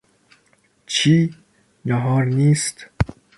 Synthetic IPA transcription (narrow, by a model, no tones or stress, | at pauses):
t͡ʃʰiː | nɒɦɒːɾniːst̪